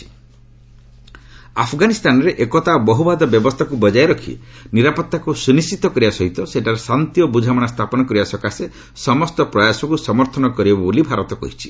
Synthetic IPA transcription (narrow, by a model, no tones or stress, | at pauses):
i̥ | apʰɡanist̪anɔɾeʔekɔt̪abɔɦubad̪ɔbjɔbɔst̪ʰakubɔd͡ʒaeɾɔkʰḭniɾapɔt̪ːakusunist͡ʃit̪ɔkɔɾibasɔɦit̪ɔseʈaɾesant̪ijɔbud͡ʒʱamɔɽ̃ast̪ʰapɔnɔkɔɾibasɔkase | sɔmɔst̪ɔpɾɔjasɔkusɔmɔɾt̪ʰɔnɔkɔɾibɔbabulibʱaɾɔt̪ɔkɔ̰ɦit͡ʃʰi̥